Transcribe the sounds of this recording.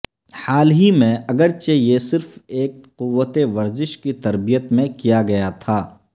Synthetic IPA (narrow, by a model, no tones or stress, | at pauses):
haːlɦimẽɐɡəɾt͡ʃejesɪɾfeːkqʊʋːət̪eʋɐɾzɪʃkit̪ɐɾbijət̪mẽkijaɡɐjat̪ʰaː